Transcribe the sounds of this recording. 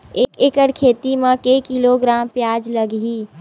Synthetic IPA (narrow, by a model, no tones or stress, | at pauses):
ekekəɽkʰeːt̪imẽkekiloɡɾampjad͡ʒləɡi